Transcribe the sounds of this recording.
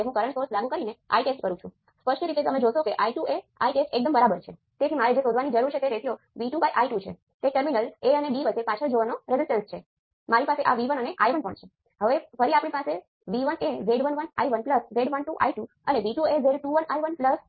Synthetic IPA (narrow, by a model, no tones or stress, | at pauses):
eɦũkəɾəɳsoɾslaɡukəɾineʔa̰iʈesʈkəɾũt͡ʃʰũ | spəʃnəɾit̪et̪əmẽd͡ʒoʃokeʔaiʈuʔea̰iʈesʈek̚d̪əmbəɾabəɾt͡ʃʰe | t̪et̪ʰimaɾed͡ʒesod̪ʱʋanid͡ʒəɾuɾt͡ʃʰet̪eɾesijo | ʋiʈubajʔaiʈut͡ʃʰḛ | t̪eʈəɾminəleəneɖiʋət͡ʃepat͡ʃʰəɭd͡ʒoʋanoɾezɪsʈənst͡ʃʰe | maɾipaseʔa̰ʋiʋənəneʔa̰jʋənpə̰ɳt͡ʃʰe | ɦəʋefəɾiapɳ̃ipase | ʋiʋəneʋeɖʋənʋəna̰iʋənpləsʋeɖʋənʈuʔa̰iʈu | ə̰neʋiʈuezeɖʈuʋənajʋənpləs